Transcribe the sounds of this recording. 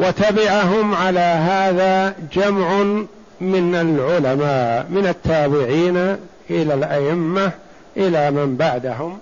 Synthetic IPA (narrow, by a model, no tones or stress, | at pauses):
wat̪abaʕaɦʊmʕalaːɦaːðad͡ʒamʕʊ | mɪnalʕʊlamaːʔmɪnat̪ʰːaːbɪʕiːna | ʔɪlalʔaʔɪmːa | ʔɪlaːmɪmbaʕd̪aɦʊm